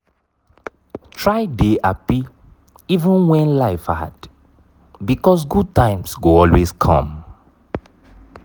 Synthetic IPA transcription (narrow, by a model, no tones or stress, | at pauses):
tʰɹaɪdeapi | ivə̃nwɛ̃nlaɪfha̰d | bikɔs̬ɡud̚tãɪ̃msɡoɔlweskʰɔ̰̃m